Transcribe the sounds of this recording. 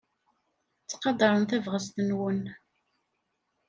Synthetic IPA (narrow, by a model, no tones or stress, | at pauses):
t͡sːqɑd̪ɑɾˤənθævʁəzt̪ənwən